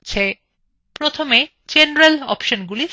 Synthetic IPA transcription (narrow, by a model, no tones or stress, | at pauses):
t͡ɕʰe | pɾot̪ʰome | d͡ʑenɾelɔ̰pʃonɡuli